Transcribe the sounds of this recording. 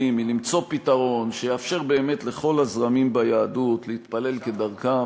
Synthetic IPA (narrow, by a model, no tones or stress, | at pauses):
imilimt͡so̞pit̪aʁo̞nʃejafʃe̞ʁbe̞ːme̞t̪le̞χo̞lazʁamimbajaːdut̪leit̪pale̞lke̞d̪aʁka